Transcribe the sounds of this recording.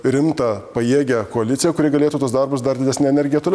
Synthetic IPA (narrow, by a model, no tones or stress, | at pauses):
ɾʲɪmt̪ɐpɐjeːɡʲɛkoɐlʲɪt̪sʲɪjɛkʊɾʲɪɡɐlʲeːt̪uːt̪oːsd̪ɐrbʊsd̪ɐɾd̪ʲɪd̪ʲɛsʲnʲɛnʲɛɾʲɡʲɪjɛt̪oːlʲ